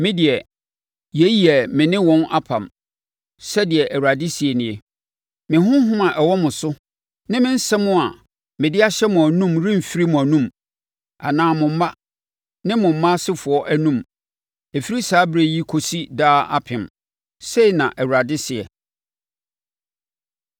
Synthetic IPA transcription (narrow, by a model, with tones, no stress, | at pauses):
mɪ̃˦dɪ˨ɛ˨ | je˦ji˦ɛ˨mɪ̃˨nɪ̃˦wɔ̃˦na˦pʰã̰˨m | sɛ˦dɪ˨ɛ˨ʔæ˨wa˨dɪ˦si˨ɛ˨nɪ̃˨e˨ | mɪ̃˨ɦʊ̃˦ɦʊ̃˦mã˨ʔɛ˨wɔ˦mʊ̃˨sʊ˦ | nɪ̃˦mɪ̃˦n̩˦sɛ˦mʊ̃˦a˨ | mɪ̃˨dɪ˦a˦ɕɛ˦mʊ̃˨æ˨nũ˦mɾĩ˦m̩˨fi˦ɾi˦mʊ̃˨æ˨nũ˦m | a̰˨nãː˦mʊ̃˨m̩˦ma˦ | nɪ̃˦mʊ̃˨m̩˨mã˦sɪ˦fʊ˨ɔ˦ʔæ˦nũ˦m | e˨fi˦ɾi˦saː˦bɾe˦ji˦kʰo˨si˦daː˦a̰˦pʰɪ̃˨m | se˦i˨nã˨ʔɛ˨wu˨ɾa˨dɪ˦sɪ˨ɛ̰˨